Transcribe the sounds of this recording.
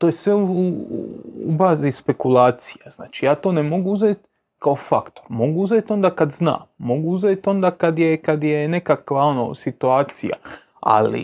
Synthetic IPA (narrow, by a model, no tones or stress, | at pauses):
t̪ojesʋeuṵ | ṵbaːzispe̞kulaːt̪sijaz̥naːt͡ʃijaːt̪o̞ːnemo̞ɡuuzeːt̪ | kaofakt̪o̞ɾmo̞ɡuuzeːt̪o̞nd̪aːkad̪zna̰ːmːo̞ɡuuzeːt̪o̞nd̪aːkad̪je̞kad̪jene̞kakʋao̞no̰sit̪uaːt̪sḭja̰ | a̰lḭ